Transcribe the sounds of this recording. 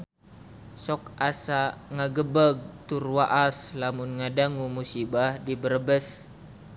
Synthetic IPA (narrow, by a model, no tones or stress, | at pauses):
sɔk̚asaŋaɡəbəɡ̚t̪urwaʔaslamunŋadaŋumusibahdibəɾəbəs